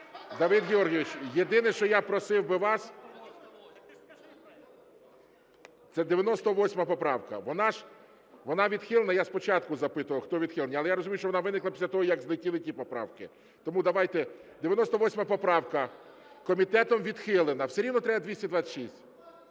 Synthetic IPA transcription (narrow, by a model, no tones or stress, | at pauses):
d̪ɐʋɪd̪ɣʲeɔrɦʲɪʋʲɪt͡ʃjed̪ɪnɪʃt͡ʃɔjapɾɔsɪwbɪʋɑs | t̪sɛd̪eʋʲjɐnɔst̪ɔʋɔsʲmɐpɔpɾɑwkɐ̰ʋɔnɑʒ | ʋɔnɑʋʲid̪xɪlˠenɐjaspɔt͡ʃɑt̪kʊzɐpɪt̪ʊʋɐlxt̪ɔʋʲid̪xɪlˠenʲiɐlˠɛjaɾɔzʊmʲiʊʃt͡ʃɔʋɔnɑʋɪnɪklˠɐpʲi̥sʲɐt̪ɔɦɔjɐɡzlˠɪtʲilˠɪtʲipɔpɾɑ̰wkɪ | t̪ɔmud̪ɐʋɑjt̪ɛd̪eʋʲjɐnɔst̪ɔʋɔsʲmɐpɔpɾɑwkɐ | kɔmʲit̪ɛt̪ɔmʋʲid̪xɪlˠenɐwseɾʲiwnɔt̪ɾɛbɐd̪ʲʋisʲtʲɐd̪ʋasʲɐʃisʲtʲ